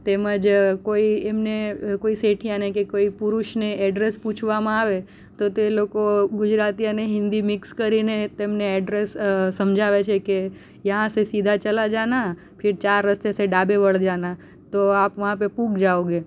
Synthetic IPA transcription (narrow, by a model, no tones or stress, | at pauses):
t̪eməd͡ʒkoiemnekoiseʈʰijanekekoipuɾuʃneʔɛɖɾesput͡ʃʰʋamãaʋe | t̪ot̪elokoɡʊd͡ʒɾat̪iəneɦɪ̃nd̪imɪkskəɾinet̪emneɛɖɾessəmd͡ʒʱaʋet͡ʃʰeke | jãsesid̪ʱat͡ʃəlad͡ʒana | pʰɪɾt͡ʃaɾːəst̪eseɖabeʋəɭd͡ʒana | t̪oapʋãpepũkd͡ʒaoɡe